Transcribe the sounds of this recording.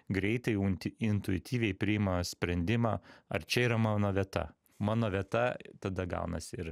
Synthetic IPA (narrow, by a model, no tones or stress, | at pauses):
ɡɾʲɛɪt̪ɐɪjnʲɪnt̪ʊɪt̪ʲiːʋʲɛɪpʲɾʲɪjɪmɐsʲpʲɾʲɛnʲd̪ʲɪmɑːɐɾt͡ʃʲɛiːɾɐmɑːnoːʋʲiɛt̪ɐ̰ | mɑːnoːʋʲiɛt̪ɐt̪ɐd̪ɐɡɑ̰ʊnɐsʲɪɪɾ